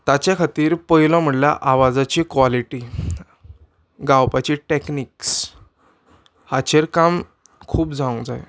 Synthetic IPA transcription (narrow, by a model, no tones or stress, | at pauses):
t̪at͡ɕjakʰat̪iːɾpəɦilɔ̃m̤əʈlja̰ʔaʋad͡zat͡ɕiːkʋaliʈi | ɡawpat͡ɕiːʈekniːks | hat͡ɕeɾkam | kʰuːpd͡zaũd͡zaj